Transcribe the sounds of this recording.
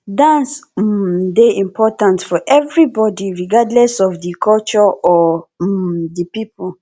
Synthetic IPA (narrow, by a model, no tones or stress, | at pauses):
dãns̩ | deĩmpʰɔtãntfɔʔɛvɹibɔdiɹiɡadlɛsɔfðikʰɔlt͡ʃɔɔ | ðipipu